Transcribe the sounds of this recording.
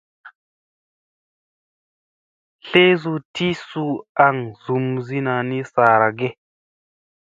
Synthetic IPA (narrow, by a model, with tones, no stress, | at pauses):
ɬe˦zu˨ti˦su˦a˨ŋzu˨mzi˦na˨ni˦saː˨ɾa˨ɡe˦